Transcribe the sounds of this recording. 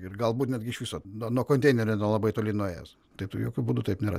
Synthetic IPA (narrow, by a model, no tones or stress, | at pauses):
ɪrɡɐlˠbuːt̪nʲɛd̪ʲɡʲɪɪʃʋʲiːsoːnuɔnuɔkoːnʲt̪ʲɛɪnʲɛɾʲɛnuɔlˠɐbɐɪt̪oːlʲɪnuɔeːjɛ̰s | t̪ɐɪpjoːkʲuːbuːd̪ut̪ɐɪpnʲeːɾɐ̰